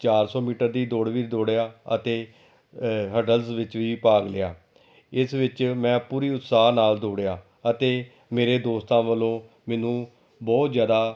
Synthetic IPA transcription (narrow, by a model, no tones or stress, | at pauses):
t͡ʃaːɾsɔːmiːʈəɾd̪iːd̪oːɽʋiːd̪oːɽejaːə̰t̪eː | ɦəɖəlsʋɪt͡ʃʋiːpaːɡlɪjaː | ɪsʋɪt͡ʃmɛ̃ːpuːɾiːʊt̪saːɦnaːld̪oːɽejaː | ət̪eː | meːɾeːd̪oːst̪ãːʋəlõː | mɛ̃ːnũː | bɔːt̪zjaːd̪aː